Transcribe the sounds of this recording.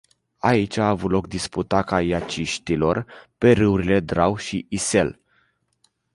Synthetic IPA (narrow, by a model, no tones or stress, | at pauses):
ait͡ʃʲaːvut̪lo̞k̚d̪isput̪akajat͡ʃiʃt̪ilo̞rpe̞ɾɨuɾile̞d̪ɾawʃiʔise̞l